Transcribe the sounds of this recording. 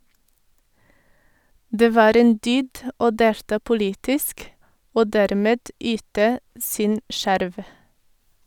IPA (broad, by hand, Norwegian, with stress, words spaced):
ˈdeː ˈʋɑːɾ ˈeːn ˈdyːd ə ˈoː ˈdeːltɑː pʊˈliːtɪsk ˈoː ˈdɛɾmeːd ˈyːtə ˈsɪn ˈʃæɾʋ